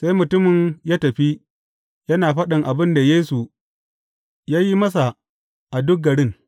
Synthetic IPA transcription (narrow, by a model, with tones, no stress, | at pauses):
sa˦jmʊ˨tʊ˦mɪ˨ɲjaː˦tɐ˨ɸi˦ | jɐ˦naː˨ɸɐ˦ɗɪ˨ŋʔa˨bɪ˦nda˨jeː˦su˨ | jaː˦ji˦mɐ˦s̬a˨ | ʔa˨dʊ˦k̚ɡɐ˨ɽɪ˦ŋ